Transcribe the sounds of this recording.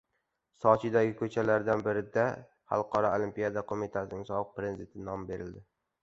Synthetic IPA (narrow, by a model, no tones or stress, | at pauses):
sɒt͡ʃʰɪd̪aɡʲɪkʰɵt͡ʃʰalaɾd̪anbɪɾɪd̪a | ha̰lˠqʰɒɾɒolˠimpijad̪akʰomit̪ʰasɪnɪŋsɒbɨq̚pɾenzɪt̪ʰɪnɒmbe̞ɾɪld̪ɪ